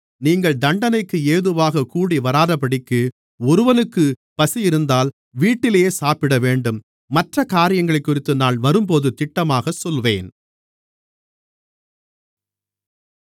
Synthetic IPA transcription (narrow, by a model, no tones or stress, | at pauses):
niːŋɡɐɭd̪ɐɳɖɐnɐɪkːɯeːðɯʋaːɣɐkuːɽiʋɐɾaːðɐpɐɽɪkːɯ | ɔɾɯʋɐnɯkːɯpɐsɪjɪɾɯnd̪aːl | ʋiːʈːɪlejeːsaːpɪɽɐʋeːɳɖɯmː | ɐʈrɐkaːɾɪjɐŋɡɐɭɐɪkːʊɾɪt̪ːɯnaːɭʋɐɾɯmpoːðɯt̪ɪʈːɐmaːɣɐsɔlʋeːn